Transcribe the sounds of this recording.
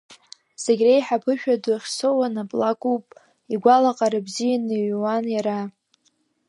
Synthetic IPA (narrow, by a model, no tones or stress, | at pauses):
z̥eɡʲrejħapʰɨʃᶣadaχʲsowanapʼlakʼupʼ | iɡʷalaqʼaɾabzijanɨɥwanjaɾa